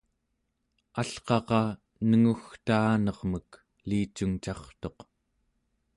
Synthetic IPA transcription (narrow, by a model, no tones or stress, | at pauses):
aɬqɑqɑ | nəŋuxt̪aːnʌʁmək | liːt͡ʃuŋt͡ʃɑχt̪o̞q